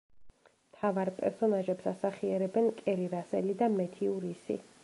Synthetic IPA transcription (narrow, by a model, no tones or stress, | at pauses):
mt̪ʰavaɾpʼɛ̰ɾsɔnaʒɛpsasaχiɛɾɛbɛnkʼɛɾiɾasɛ̰lid̪amɛt̪ʰiuɾisḭ